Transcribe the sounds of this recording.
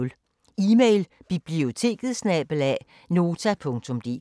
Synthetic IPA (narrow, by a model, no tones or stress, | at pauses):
l | iːmeɪlb̥ib̥lio̝t͡sʰe̝̰ːɡ̥ð̩ˠsnɛb̥l̩æ | no̝ːt͡sʰæpʰɔ̽ŋt͡sʰɔ̽md̥e̝̰